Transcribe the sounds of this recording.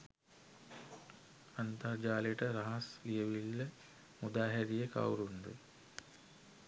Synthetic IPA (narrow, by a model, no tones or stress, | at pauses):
ant̪ɐrd͡ʒaːleʈəɾɐɦɐslijəʋilːə | mud̪aːɦɛɾijəka̰wɾund̪ṵ